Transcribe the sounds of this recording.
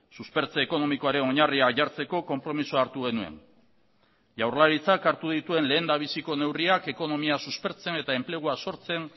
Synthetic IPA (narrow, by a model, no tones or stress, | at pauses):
suspe̞ɾt͡seːko̞no̞miko̞aɾeno̞ɲariakʝaɾt͡se̞ko̞ko̞mpɾo̞misuaːɾt̪uɣ̞e̞nue̞̰n | ʝawrlaɾit͡sakaɾt̪uð̞it̪ue̞nle̞ːnd̪aβ̞isiko̞ne̞wriake̞ko̞no̞miasuspe̞ɾt͡se̞ne̞t̪ae̞mple̞ɣ̞uaso̞ɾt͡se̞n